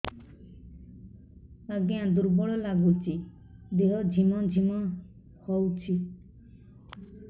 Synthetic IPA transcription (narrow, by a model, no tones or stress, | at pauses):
aɡeãd̪uɾbɔɽɔlaɡut͡ʃʰi | d̪eɦɔd͡ʒʱimɔd͡ʒʱimɔ | hɔwt͡ʃʰi